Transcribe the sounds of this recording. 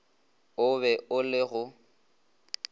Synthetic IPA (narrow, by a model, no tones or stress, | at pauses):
ʊβɛʔʊlɪɣʊ